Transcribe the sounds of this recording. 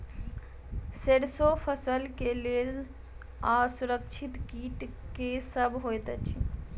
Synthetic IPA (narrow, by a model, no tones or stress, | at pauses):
seɽsopʰəsəlkeleːl | asʊɾəkt͡ʃʰit̪kiːʈkesəbɦojt̪t͡ʃʰi